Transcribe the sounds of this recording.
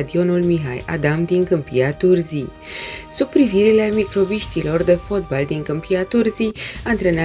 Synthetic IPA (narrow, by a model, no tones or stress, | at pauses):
d̪io̞nulmiɦa̰ja̰d̪amd̪iŋkɨmpiat̪urzi | sub̚pːɾiviɾilemikɾo̞biʃt̪ilo̞rd̪e̞fo̞t̪̚bald̪iŋkɨmpiat̪urziant̪ɾe̞n